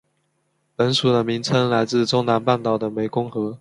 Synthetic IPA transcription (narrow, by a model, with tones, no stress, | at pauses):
pə˧˥nʂu˨˩d̪ə˦mi˧˥ŋt͡sʰə˧˥ŋla˧˥ɪt͡sɹ̩˥˩˨ʈ͡ʂʊ˥ŋna˧˥npa˥˩nt̪ɑ˨˩ʊd̪ə˦me˧˥ɪkʊ˥ŋxɤ˧˥